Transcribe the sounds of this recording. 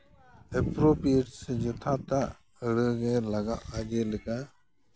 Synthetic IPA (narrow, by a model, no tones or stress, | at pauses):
epɾopieʈsɛd͡ʒət̪ʰat̪aʔ | əɽəɡɛlaɡaʔaɡɛlɛka